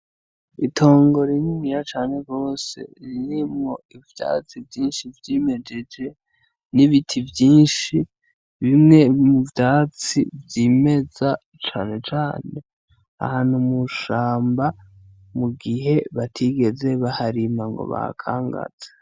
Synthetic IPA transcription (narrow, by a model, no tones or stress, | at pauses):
itʰo̞ːŋɡo̞ɾinimijat͡ʃaːne̞ɡo̞ːse̞̰ɾiɾimŋo̞ivja̰t͡sivɟiːnʃivjime̞d͡ʒe̞d͡ʒe̞ | niβitʰivjiːnʃi | βimŋe̞muvjaːt͡sivjiːme̞za | t͡ʃaːne̞t͡ʃaːne̞ | a̰haːn̥humuʃaːmba | muɡiɦe̞βatʰiɡe̞ze̞βahaɾimaŋɡo̞̰βa̰kʰa̰ːŋɡa̰z̥e̥